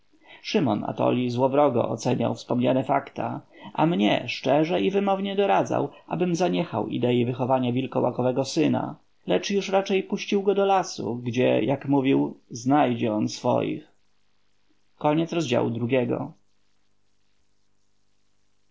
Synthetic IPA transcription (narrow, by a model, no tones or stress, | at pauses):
ʂɘmɔna̰t̪ɔ̰lʲizwɔvɾɔɡɔ̰ʔɔt̪sɛɲa̰wfspɔmɲanɛfakt̪aʔamɲɛʂt͡ʂɛʐɛivɘmɔvɲɛd̪ɔɾad̪za̰wʔa̰bɘmzaɲɛxawḭd̪ɛivɘxɔvaɲavʲilkɔwakɔvɛɡɔsɘna̰ | lɛt͡ʂjuʂɾat͡ʂɛjpuɕt͡ɕiwɡɔd̪ɔlasṵɡd͡ʑɛ̰jʔakmuvʲiwznajd͡ʑɛɔnsfɔ̰jḭx | kɔɲɛt̪sɾɔzd͡ʑa̰wud̪ɾuɡʲɛɡɔ̰